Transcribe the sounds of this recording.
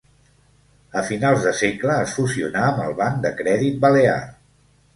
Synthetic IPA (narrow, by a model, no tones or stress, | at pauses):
əfinalˠzðəsekləːsfuziṵnaəməlˠβand̪əkɾɛðit̪̚bəlea̰